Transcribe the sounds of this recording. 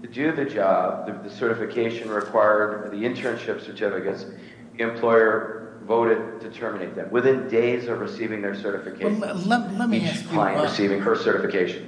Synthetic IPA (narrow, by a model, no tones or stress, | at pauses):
tʰɨdɨðɨd͡ʒɑb̚ðɨðɨsɜ˞ɾɨfɨkʰeɪʃɨ̃nɹɨkʰw̥aɪə˞d̪̚ðiɨ̃ntʰɹɨ̃nʃɪpsə˞tʰɪfɨkɨts | ðiɨ̃mpʰl̥ɔɪə˞ | voʊɾɨd̚tʰɨtʰɜ˞mɨneɪt̪̚ðɨ̃mwɨθɪ̃ndeɪzʌvɹɨsivɪ̃ŋðə˞sɜ˞ɾɨfɨkʰeɪʃ | it͡ʃkʰl̥aɪɨ̃ɹɨsivɪ̃ŋə˞sɜ˞ɾɨfɨkʰeɪʃɨ̃n̩